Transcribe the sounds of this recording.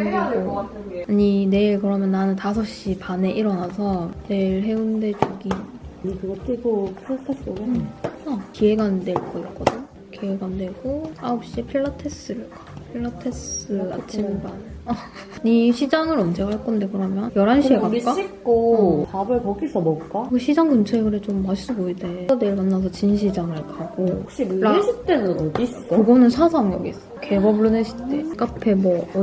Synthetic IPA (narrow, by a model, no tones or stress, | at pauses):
atʰɡaɲine̞iɭkɯɾʌmjʌnːanɯntasʰʌɕ͈ipane̞ʔiɾʌnasʰʌne̞iɭɦe̞unde̞t͡ɕuɡi | ɲikɯɡʌt͈iɡopʰiɭːatʰesoɡeakie̞ɡande̞ɭk͈ʌik͈ʌdɯɲ | kieɡanne̞ɡoaop̚ɕ͈ipʰiɭːatʰe̞s͈ɯɾɯɭkḁpʰiɭːatʰe̞sɯat͡ɕʰimban | niɕʰid͡ʑaŋɯɾʌnd͡ʑeɡaɦaɭk͈ʌnde̞kɯɾʌmjʌnjʌɾanɕieɡak͈aikk͈opabɯɭpoɡisʰʌmbok͈akɯɕʰid͡ʑaŋkunt͡ɕʰeɡɯɾɯt͡ɕomːas͈ɯboideneɭmanːas̬ʰʌt͡ɕinɕʰid͡ʑaŋɯɭkaɡookɕ͈iɾaeɕʰit͈enɯnoɡis͈kɯɡʌnɯnsʰasʰaŋjʌɡis͈ʌkeɡʌbɭoneɕʰi̥t͈ek͈apʰe̞mwʌ